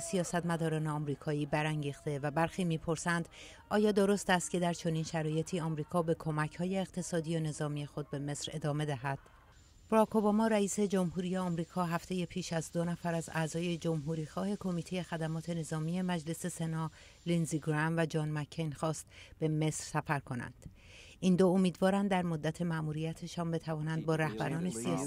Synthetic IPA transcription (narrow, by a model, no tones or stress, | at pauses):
sijɒːsæt̪mæd̪ɒːɾɒːne̞ɒmɾiːkʰɒːiːbæɾæŋɟiːxt̪e̞væbæɾxiːmiːpʰo̞ɾsænd̪̥ | ʔɒːjɒːd̪o̞ɾo̞st̪æst̪̚cʰe̞d̪æɾt͡ʃʰo̞niːnʃæɾɒːje̞t̪ʰiːɒːmɾiːkʰɒːbe̞kʰo̞mæcʰhɒːje̞ːɣt̪ʰe̞sɒːd̪iːone̞zɒːmiːje̞xo̞d̪̚be̞me̞sɾe̞d̪ɒːme̞d̪æɦæd̪̥ | b̥oɾɒkʰobɒmɒːɾæiːse̞d͡ʒo̞mhuːɾije̞ɒmɾiːkʰɒːɦæft̪ʰe̞je̞pʰiːʃæzd̪o̞næfæɾæzæzɒːje̞d͡ʒo̞mɦuːɾiːxɒːhe̞kʰo̞miːt̪ʰe̞je̞xæd̪æmɒːt̪ʰe̞ne̞zɒːmije̞mæd͡ʒle̞se̞se̞nɒː | linziɡɾæmvæd͡ʒɒːnmæcʰːenxɒːst̪b̥e̞me̞sɾ̥sæfæɾkʰo̞næ̰nd̪̥ | ʔind̪oomiːd̪vɒːɾænd̪ːæɾmo̞d̪ːæt̪ʰe̞mæʔmuːɾijæt̪ʰe̞ʃɒːnbe̞t̪ʰævɒːnænd̪̚bɒːɾæhbæɾɒːne̞siɒ